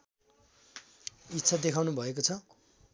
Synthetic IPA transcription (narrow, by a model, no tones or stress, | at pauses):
itːsʰad̪ekʰawnubʱʌekot͡sʰʌ